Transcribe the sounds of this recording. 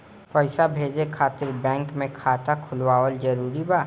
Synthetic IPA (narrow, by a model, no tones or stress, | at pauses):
pəɪsabʱeːd͡ʒekʰaːt̪ɪɾbɛ̃ːŋkmẽkʰaːt̪akʰʊlwaːəld͡ʒɐɾuːɾibaː